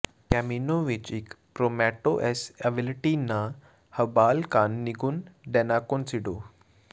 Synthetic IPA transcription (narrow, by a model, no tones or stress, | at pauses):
kɛminoʋit͡ʃik | pɾomɛʈoʔeseʋilʈinːa | həbalkanːiɡuːnɖɛnakonsiɖo